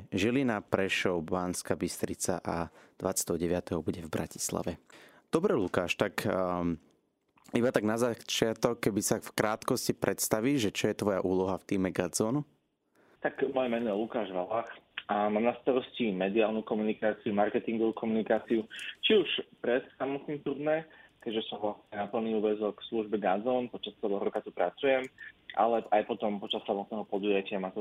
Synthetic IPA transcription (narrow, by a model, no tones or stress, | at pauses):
ʒilinapɾɛʃɔʊbaːnskabist̪ɾit͡sa̰ʔa̰d̪̥ʋatt͡sjḁt̪ɛɦɔɟɛʋɪat̪ɛɦɔbuɟɛvbɾa̰ci̥sla̰ʋɛ | d̪̥ɔbɾɛlukaːʃt̪ak | ibat̪aɡnazat͡ʃɪat̪ɔkːɛbisafkɾaːt̪kɔscipɾɛt̪st̪aʋiːʒʒɛt͡ʃɔjɛt̪ʋɔjaʔuːlɔɦaft̪iːmɛɡad͡zɔːnu | t̪akmɔjɛmɛnɔjɛlukaːʒʋalaxamaːmnast̪aɾɔscimɛd̪iaːlnukɔmunikaːt͡siumaɾkɛt̪iŋɡɔʋukʰɔmunikaːt͡siut͡ʃiuʃpɾɛt̪samɔt̪nit̪uɾd̪nɛkɛʒɛsɔmʋlasɲɛnapl̩ˠniːuːʋɛzɔksluʒbɛɡad͡zɔːnpɔt͡ʃast͡sɛlɛːɦɔɾɔkat̪upɾat͡sujɛmʔa̰lɛajpɔt̪ɔmpɔt͡ʃasːamɔt̪̚nɛːɦɔpɔd̪ujacɪamaːt̪u